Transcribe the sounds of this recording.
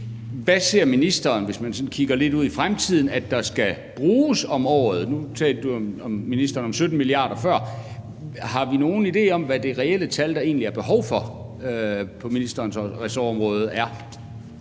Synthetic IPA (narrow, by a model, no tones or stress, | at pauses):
ʋæseɐ̰minisd̥ɐːnʋe̝smænsɒ̽nkʰiɡ̥ɐle̝d̥uð̞̰ˠifʁamt͡sʰið̞̰ˠn̩æ̥d̥ɑ̈sɡ̥æ | b̥ʁuːsɒ̽mɒ̰ːð̩ˠnut͡sʰɛ̰ːld̥əd̥uɒmɒ̽mːinisd̥ɐːnɒ̽msød̥n̩miliɑ̰̈ːɾ̥ɐfɶɐ̰ | hɑ̈ʋino̝ːn̩ide̝̰ːɒ̽mʋæd̥e̝ʁɛel̰ət͡sʰæld̥ɑ̈e̝̰ːnliæɐb̥e̝ɦɒʊ̰fɒ̽øpʰɒ̽minisd̥ɐːnsʁɛsɒɒ̽mʁɔ̽ːð̞̩ˠæɐ